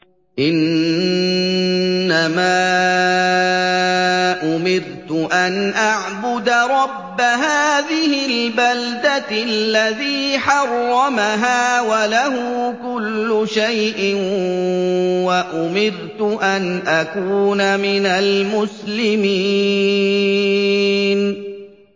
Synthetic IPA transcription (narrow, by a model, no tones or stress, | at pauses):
ʔɪn | amaː | ʔʊmɪɾt̪ʊʔanʔaʕbʊd̪aɾˤɑbːaɦaːðɪhɪlbald̪alːaðiːħɑrˤːɑmaɦaːwalaɦʊkʊlːʊʃajʔɪn | waʔʊmɪɾt̪ʊʔanʔakuːnamɪnalmʊslɪmiː | n